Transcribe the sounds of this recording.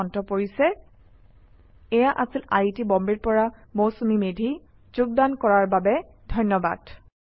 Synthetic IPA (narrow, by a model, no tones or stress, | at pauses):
ɔntɔpoɹisɛ | ɛjaʔasilaitibɔmbiɹpɔɹamowsumimedʱi | zʊɡ̚dankɔɹaɹbabɛ | dʱɔjnɔba̰d̥